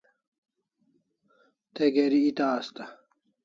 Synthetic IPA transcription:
t̪eɡeɾiːt̪aːst̪ɐ

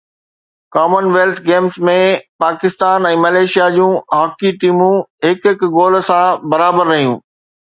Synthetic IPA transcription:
kaːmənʋeːlt̪ʰɡeːmsmẽpaːkɪst̪aːnɛ̃ːmɐleːʃijad͡ʑũːɦaːkiʈiːmũɦɪkɦɪkɡoːlsãbɐɾaːbəɾːɐɦijũː

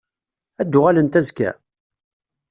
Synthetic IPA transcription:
æd̪ːʊʁælənt̪æzkæ̰

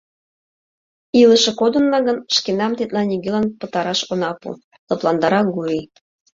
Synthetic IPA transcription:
iləʃɤ̆kod̪ɤ̆nːɑɣənʃkenɑmt̪et̪lɑniɡelɑnpɤ̆t̪ɑɾɑʃonɑpṵ | lˠɤ̆plˠɑnd̪ɑɾɑɡui

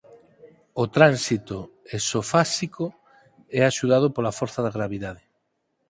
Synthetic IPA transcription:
ot̪ɾansit̪o | esofasiko | ɛaʃuðað̞opolafoɾθaðaɣɾaβ̞iðaðe

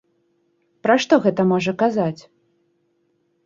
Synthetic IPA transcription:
pɾaʂt̪ɔɣɛt̪ɐmɔʐɐkazat͡sʲ

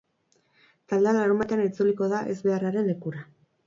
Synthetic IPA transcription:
t̪ald̪ealaɾumat̪eanit͡suliko̞ðaʔe̞zβe̞araɾe̞nle̞kuɾa

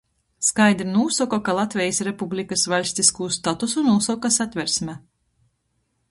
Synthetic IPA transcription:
skajd̪ɾinuːsɔkɔkalˠat̪vʲɛjisɾepublʲikasvalʲsʲt̪iskuːst̪at̪usunuːsɔkasat̪ʲvʲɛɾsmʲɛ

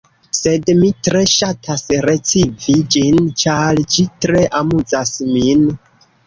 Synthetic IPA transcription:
se̞dmitɾe̞ʃatʰasɾet͡sivid͡ʒint͡ʃald͡ʒitɾe̞ʔamuzasmin

